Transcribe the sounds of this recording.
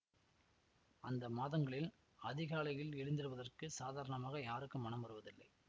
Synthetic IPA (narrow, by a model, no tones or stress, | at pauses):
ɐnd̪ɐmaːðɐŋɡɐɭɪl | ɐðɪɣaːɭɐjɪlɛɻɪnd̪ɪɾɯʋɐðɐrkɯsaːðaːɾɐɳɐmaːɣɐjaːɾɯkːɯmːɐnɐmʋɐɾɯʋɐðɪlːɐɪ